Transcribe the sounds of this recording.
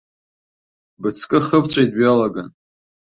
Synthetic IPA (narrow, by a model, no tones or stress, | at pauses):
bɨt͡sʰkʼɨχəpʰt͡sʷʰʼajtʼɥalaɡan